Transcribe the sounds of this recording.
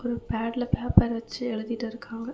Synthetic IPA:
ɔɾɯpaːʈlɐpaːpːɐɾʋɐt͡ʃːɯɛɭɯðɪʈːɪɾɯkʰːaːŋɡɐ

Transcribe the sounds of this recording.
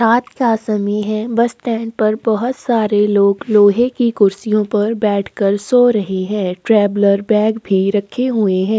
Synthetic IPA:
ɾaːt̪kaːsɐmiɦɛ̃ːbɐsʈɛ̃ːɳɖ̚pɐɾbɐɦʊt̪saːɾeloːɡloːɦekikʊɾsijõpɐɾbɛːʈʰkɐɾsoːɾɐɦiɦɛ̃ːʈɾɛːbləɾbɛːɡbʱiɾɐkʰeɦʊeɦɛ̃ː

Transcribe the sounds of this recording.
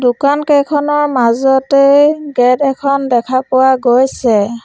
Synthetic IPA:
dʊkankejkʰɔnɔɹmazɔteɡɛdɛkʰɔndɛkʰapʊwaɡojsɛ

